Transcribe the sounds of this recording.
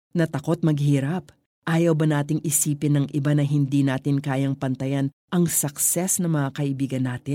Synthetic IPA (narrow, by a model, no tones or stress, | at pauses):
nɐt̪ɐko̞t̪̚mɐɡ̚hiːɾɐp | ʔaːjɐwbɐnaːt̪̬ɪŋʔɪsiːpɪnːɐŋʔɪbanɐɦɪnd̪iːnaːt̪ɪnkaːjɐŋpɐnt̪ɐjan | ʔɐŋsɐksɛsnɐŋmɐŋakɐʔɪbiːɡɐnːaːt̪ɪn